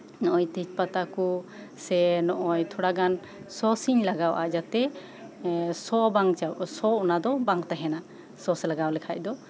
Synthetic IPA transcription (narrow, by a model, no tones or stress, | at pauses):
nɔʔɔjt̪it͡ʃpat̪aku | sɛnɔʔɔjt̪ʰɔɽaɡan | sɔsiɲlaɡawʔad͡ʒat̪ɛ | sɔbaŋt͡ʃawsɔɔnad̪ɔbaŋt̪aɦɛna | sɔsɛlaɡawlɛkʰacd̪ɔ